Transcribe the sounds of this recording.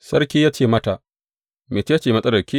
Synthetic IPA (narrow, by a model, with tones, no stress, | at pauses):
sɐ˦ɾkʲiː˦jaː˦t͡ʃeː˦˨mɐ˦ta˨ | meː˨t͡ʃe˦a˦t͡ʃeː˨mɐ˦sʼɐ˦dɐ˨kʲiː˦